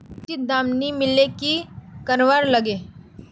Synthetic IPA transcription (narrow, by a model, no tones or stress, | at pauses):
tid̪aːmnimɪlekikənʋaɾlɐɡeː